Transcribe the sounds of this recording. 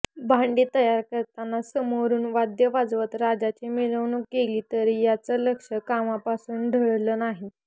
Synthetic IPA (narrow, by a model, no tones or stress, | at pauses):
bʱaɳɖiːt̪əjaɾkəɾt̪anːasəmoɾuːnʋad̪jəʋad͡zʋət̪ɾad͡ʑat͡ɕimiɭəʋnukeliːt̪əɾijat͡sələkʂəkamapasuːnɖʱəɭləːnaɦi